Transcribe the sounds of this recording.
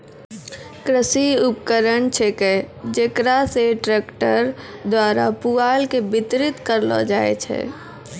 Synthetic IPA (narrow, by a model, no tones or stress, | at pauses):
kɾəsiʊp̚kəɾəɳt͡ʃʰeked͡ʒekɾaseʈɾɛːkʈəɾd̪waːɾapuaːlkebɪt̪ɾɪt̪kəɾlɔ̰d͡ʒaːḛt͡ʃʰɛ̰ː